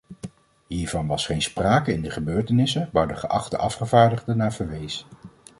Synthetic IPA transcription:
ɦiːɹvɑnʋɑsχejnspraːkəɪndəχəbøːɹtənɪsəʋaːɹdəχə̰ʔɑ̰χtəʔɑfχəvaːɹdəχdənaːv̥əɹʋejs

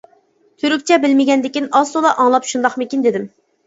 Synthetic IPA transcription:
t̪ʰyɾykʲt͡ʃʰɛbɪlmɪɡʲɛnd̪ɪkʲinɑsolˠɑʔɑŋlˠɑpʃund̪ɑχmɪkʲind̪ɪd̪ɪm

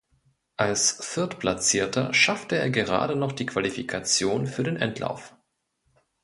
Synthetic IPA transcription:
ʔalsfɪɐtpl̥at͡siːɐtʰɐ̰ʃaftəeːɐɡəʁa̰ːdənɔχd̥iːkv̥alifikʰat͡sjoːnfyːɐdeːnʔɛntʰla̰ʊf

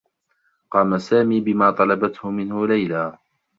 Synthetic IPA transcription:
qɑːmasaːmiːbɪmaːt̪ˤɑlɑbat̪hʊmɪnhʊlajlaː

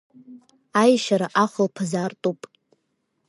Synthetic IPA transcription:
ajʃaɾaʔaχʷəlpʰazaːrtʼupʼ

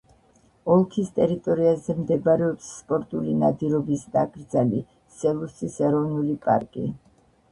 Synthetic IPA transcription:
ɔlˠkʰist̪ʼɛɾit̪ʼɔɾiazɛmd̪ɛbaɾɛɔpsːpʼɔɾt̪ʼulinad̪iɾɔbisd̪aɡɾd̪zali | sɛlˠusisɛɾɔvnulipʼa̰ɾkʼḭ

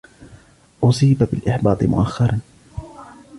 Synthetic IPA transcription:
ʔʊsiːbabɪlʔɪħbɑːt̪ˤɨmʊ̰ʔaxːɑɾˤɑn

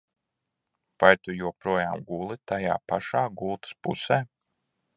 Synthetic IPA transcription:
vajt̪ujuɔpɾuɔjaːmɡulˠit̪aja̰ːpaʃaːɡulˠt̪ɨ̥spṵseː

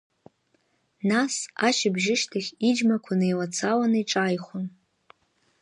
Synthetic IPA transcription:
nasaʃɪbʒɪʃtʰaχʲid͡ʒmakʷʰanɨjlat͡sʰawanɨiʈ͡ʂʼajχʷʊn

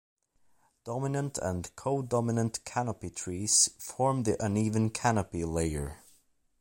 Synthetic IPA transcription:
d̥ɑmɪnə̃ntʰə̰̃nkʰoʊdɑmɪnə̃nʔkʰænəpitʰɹ̥iz̥fɔɹmðiʔə̃nivə̃nkʰænəpileɪə̰˞

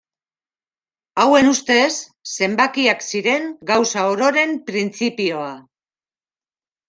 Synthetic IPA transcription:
awe̞nust̪e̞sːe̞mbakiaksiɾe̞ŋɡawsaoɾo̞ɾe̞mpɾint͡sipio̞a

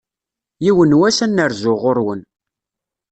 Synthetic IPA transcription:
jiwənwæsænːəɾzʊʁʊɾwən

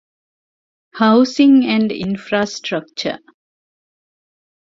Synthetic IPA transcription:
haʊsĩŋæ̃ɳɖḭnfɾaːsʈɾək̚t͡ʃə̰

